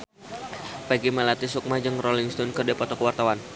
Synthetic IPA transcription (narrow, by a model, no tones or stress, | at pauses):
paɡimɛlat̪isuk̚mad͡ʒəŋrɔliŋst̪ɔnkərdɛpɔt̪ɔkəwart̪awan